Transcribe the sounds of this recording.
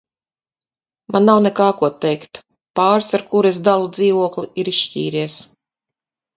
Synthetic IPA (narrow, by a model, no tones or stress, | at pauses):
manːawnɛkaːkuɔt̪ːɛjkt̪ | paːɾsaɾkuɾesd̪alˠud̪ziːvuɔkliʔiɾiʃʃcḭːɾiɛs